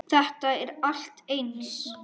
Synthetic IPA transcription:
θɛht̪aɛɾal̥t̪ejns

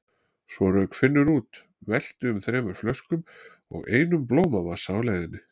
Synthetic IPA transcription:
svɔɾœɥkfɪnːʏɾuːt̪ | vɛl̥t̪ʏʏmθɾeːmaɾ̥flœskʏm | ɔ̰ɣeːjnʏmploːwmavḁsawlaːjðɪnːɪ

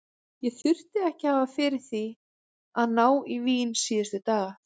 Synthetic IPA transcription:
jɛθʏr̥t̪ɪðɛhcɪhaːvafɪɾɪɾ̥θi | aðnaːwiviːnsiːʏst̪ʏt̪aːɣa

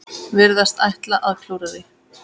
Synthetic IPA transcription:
vɪɾðast̪ajht̪laʔaðkʰlowɾaðɪ

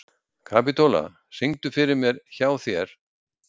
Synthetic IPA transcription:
kʰaːp̬it̪ola̰ | siŋt̪ʏfɪɾɪɾmjɛɾ̥çaːwθjɛɾ̥

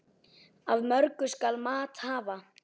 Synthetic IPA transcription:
avmœɾkʏ̥skalmaːt̪haːva

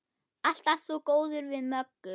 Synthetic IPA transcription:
al̥t̪aft̪sɔkoːwðʏɾvɪðmœkːʏ

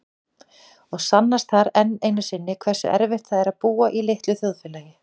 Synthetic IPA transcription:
ɔɣsanːast̪θaɾɛnːejnʏsɪnːɪkʰvɛr̥sʏ̰ʔɛɾvɪht̪θaðɛɾaðpuːaʔileht̪lʏθjoðfɪːlaːjɪ

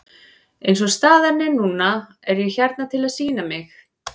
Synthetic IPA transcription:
ejnsɔst̪aːðanɪnuːnːa | ɛɾjɛɣçɛɾt̪nat̪ʰɪlaðsiːnamɪx

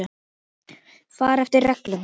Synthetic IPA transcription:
faːɾɛft̪ɪɾrrɛklʏn

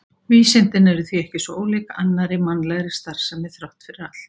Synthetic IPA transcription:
viːsɪnt̪ɪnɛɾʏθiɛhcɪsɔoːwliːkaʔanːaɾɪmanːlɛɣɾɪst̪ar̥samɪθɾawht̪fɪɾɪɾat̪l̥t̪

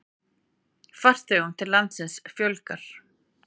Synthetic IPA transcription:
far̥t̪ɪhunt̪ʰɪlant̪sɪnsfjœwlkaɾ̥

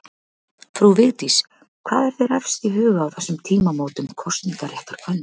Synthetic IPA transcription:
fɾuvɪɣt̪is | kʰvaːðɛɾ̥θejɾɛfst̪iɦʏːɣaːwθɛsːʏmt̪ʰiːmamoːwt̪ʏmkʰɔst̪niŋkarjɛht̪aɾ̥kʰvœnː

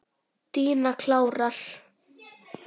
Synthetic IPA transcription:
t̪iːnakʰlaːwral̥

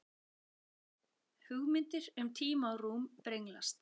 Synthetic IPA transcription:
hʏɣmɪnt̪ɪɾʏmt̪ʰiːmaɔruːmpɾejŋla̰st̪

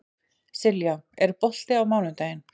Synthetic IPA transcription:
sɪljaɛɾpɔl̥t̪ɪawmaːwnʏt̪aːjɪn

